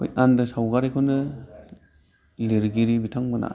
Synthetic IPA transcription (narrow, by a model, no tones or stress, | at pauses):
o̰jandɯsawɡaɾikʰonɯ | leɾɡiɾibitʰaŋbɯna̰